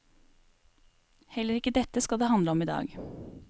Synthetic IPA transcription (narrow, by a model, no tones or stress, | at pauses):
hɛləɾɪkəd̪ɛt̪əskɑd̪eːhɑnd̪ləɔmiːd̪ɑ̰ːɡ